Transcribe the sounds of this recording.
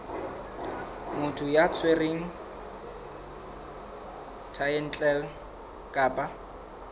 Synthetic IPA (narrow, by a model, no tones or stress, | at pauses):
mʊtʰʊjat͡sʰwereŋ̩ | tʰajɛn̩t͡ɬʼɛl | kʼaːpʼa